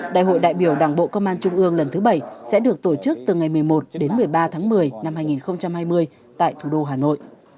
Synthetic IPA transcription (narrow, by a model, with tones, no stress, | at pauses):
ɗa̰ː˧˨jɦo̰˧˨jɗa̰ː˧˨jɓi˧˩əwɗaː˧˩ŋɓo̰˧˨kə˧wŋ͡mʔaː˧nt͡ɕʊ˧ŋ͡mʔɨ˧əŋlə˨˩nt̪ʰɨ˨˦ɓə˧˩jsɛ̰˧˥ɗɨ˨˩ək̚t̪o˧˩t͡ɕɨ˦˥k̚t̪ɨ˨˩ŋa˨˩jmɨ˨˩əjmo˨˩t̚ɗe˨˦nmɨ˨˩əjɓaː˧t̪ʰaː˨˦ŋmɨ˨˩əjna˧mhaː˧jŋi˨˩nxə˧wŋ͡mt͡ɕa˧mhaː˧jmɨ˧əj | t̪a̰ː˧˨jt̪ʰu˧˩ɗo˧ɦaː˨˩no̰˧˨j